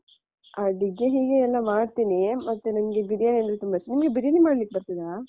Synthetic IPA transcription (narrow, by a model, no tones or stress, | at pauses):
ɐɖiɡːeɦiːɡeɛlːɐmaːɖt̪inimɐt̪ːunɐmɐɡe̞biɾijaneɐnt̪ɾɐt̪umbɐsnimɐɡebiɾijɐnimaːɽlik̚ːebɐɾt̪id̪aɾa